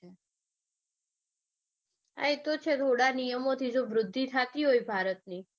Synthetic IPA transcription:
a̰et̪ot͡ʃʰet̪ʰoɽanijəmot̪ʰid͡ʒoʋɾʊd̪ʱːit̪ʰat̪iɦojbʱaɾət̪̚ni

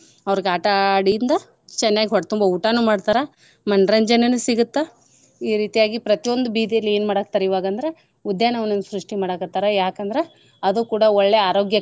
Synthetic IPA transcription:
ɐʋɾiɡaːʈaɽijind̪ɐ | t͡ʃɛnːaːɡiɦɔʈːt̪umbɐuːʈanumaːɽt̪aːɾɐ | mɐnɾɐɲd͡ʒɐnɐnːusiɡut̪ːe | iːɾiːt̪ijaːɡipɾɐt̪ijo̞nd̪ubiːd̪ijɐlːie̞ːnmaːɽak̚t̪aɾeiʋaːɡɐnd̪ɐɾe | ud̪jaːnɐʋɐnɐnːusɾuʂʈimaːɽakɐt̪ːaːɾɐjaːkɐnd̪ɐɾe | ɐd̪uːkuːɽɐɔɭːeaːɾo̞ːɡjɐ

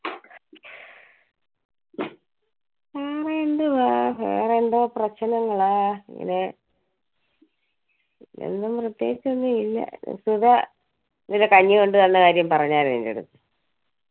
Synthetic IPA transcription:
peːreeɳɖuapḛːreɳɖoprɐt͡ɕːɐnɐŋːɐɭaːḛŋːɐ̰ne | ḛnːumprɨt̪ːjeːɡit͡ɕːonːɨilːɐ̰suðɐ | nilekɐɲːɨko̞ɳɖɨt̪ɐnːekaːɾjɐmpɐrɐɲːaːɾeðindḛɽṵt̪ːɨ

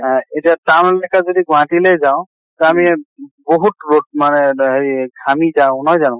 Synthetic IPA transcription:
etiatamlɛjkazodiɡwãtilejzaʊ̃ | tamiboɦutɹod̚manɛɦeɹiɡʱamizaʊ̃nɔjzanʊ̃

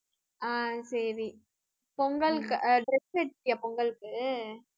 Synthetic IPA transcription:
aːsɐɾi | pɔŋɡɐɭɯkːɯɖɾɛseʈːjaːpɔŋɡɐɭɯkːɯ

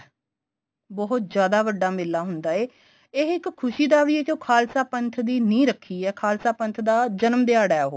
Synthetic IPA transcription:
bɔɦʊt̪̚d͡ʒjaːd̪aːʋəɖːaːmeːlːaːɦʊnd̪aːeː | eːɪkkʰːʊʃiːd̪aːʋiːeːkjõːkʰaːlsaːpənt̪ʰd̪iːnĩːɾəkʰːiːɛːkʰaːlsaːpənt̪ʰd̪aːd͡ʒənmd̪ɪaːɽaːɦoː

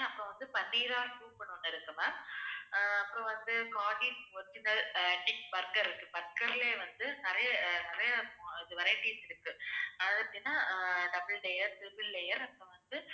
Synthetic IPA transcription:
ɐpːõːʋɐnd̪ɯpɐɳːiːɾaːlkuːɾpɐɳːɯnːɪɾɯkːɯmaː | ɐpːoːʋɐnd̪ɯkaːʈiːspoːɾt͡ʃːɪnd̪ɐɛʈːɪkbɐɾkɐɾɪɾɯkːɯbɐɾkɐɾɪleːʋɐnd̪ɯnɪɾɐjɐnɪɾɐjɐõɪðɯʋɐɾɐjɐʈiːsɪɾɯkːɯɐðɐt̪ːinːãːɖɐbɪɭɖɛjɐɾt̪ɪbɪllɛjɐɾɐpːoːʋɐnd̪ɯ

